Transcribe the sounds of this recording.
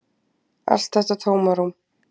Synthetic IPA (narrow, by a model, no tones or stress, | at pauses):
a̰rstʰazʼɐtʰɐwmɐɾum